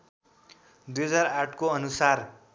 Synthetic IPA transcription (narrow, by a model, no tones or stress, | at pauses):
d̪ujɦʌd͡zaraʈkoʌnusar